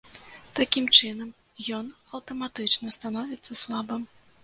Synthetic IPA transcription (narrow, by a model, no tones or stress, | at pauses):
t̪akʲimt͡ʂɨnɐm | jɔnɐwt̪ɐmat̪ɨt͡ʂnɐst̪anɔvʲit̪sːɐslˠabɨm